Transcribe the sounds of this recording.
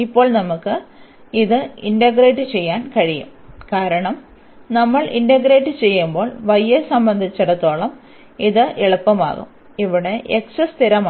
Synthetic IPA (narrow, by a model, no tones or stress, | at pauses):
ipːo̞ːɭnɐmukːɨ | iðɨindɐɡɾeːʈːɨt͡ɕe̞jːaːnkɐɻijṵmkaːɾɐɳɐm | nɐmːɐɭindɐɡɾeːʈːɨt͡ɕe̞jːumbo̞ːɭʋɐjːesɐmbɐnd̪ʱit͡ɕːɐɽɐt̪ːo̞ːɭɐm | iðɨʔeɭɐpːɐma̰ːɣṵm | iʋiɽe̞ʔeksɐst̪ʰiɾɐmaː